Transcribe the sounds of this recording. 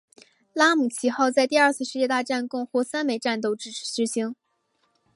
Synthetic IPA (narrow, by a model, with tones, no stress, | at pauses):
la˥mu˨˩t͡ɕʰi˧˥xɑ˥˧ʊt͡sa˥˧ɪt̪i˥˧ɐ˞˥˧t͡sʰɹ̩˥˧ʂɻ̩˥˧t͡ɕjɛ˥˧t̪a˥˧ʈ͡ʂa˥˧nkʊ˥˧ŋxwɔ˥sa˥nme˨˩ɪʈ͡ʂa˥˧nt̪o˥˧ʊʈ͡ʂɻ̩˥˩ʈ͡ʂ̩ʰ˨˩ʂɻ̩˧˥ɕi˧˥ŋ